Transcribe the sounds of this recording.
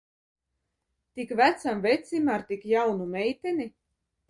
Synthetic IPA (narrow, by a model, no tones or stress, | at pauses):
t̪ikvæt̪samvɛjt̪sʲimaɾt̪ikjawnumʲɛjt̪ʲɛni